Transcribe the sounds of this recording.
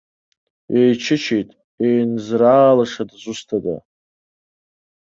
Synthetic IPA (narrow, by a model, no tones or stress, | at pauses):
ejt͡ʃʰɪt͡ʃʰejtʼ | ejnzraːlaʂadzʷustʰada̰